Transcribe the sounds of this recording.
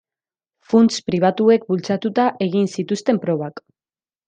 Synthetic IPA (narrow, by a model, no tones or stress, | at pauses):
funt͡spɾiβ̞at̪ue̞kbult͡sat̪ut̪aʔe̞ɣinsit̪ust̪e̞mpɾo̞β̞ak